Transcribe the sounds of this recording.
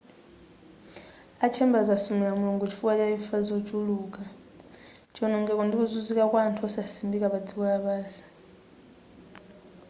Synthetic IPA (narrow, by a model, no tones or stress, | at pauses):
at͡ʃʰɛmbazasumɛamuɔŋɡut͡ʃʰi̥fukʼat͡ʃʼaifazɔd͡ʒuluːkʼa | t͡ʃʼɔnɔŋɡɛk̬ʼɔndik̬ʼuzud͡zikʼakwantʰuɔsasimbikʼaβad͡zikʼɔaɓaːsḁ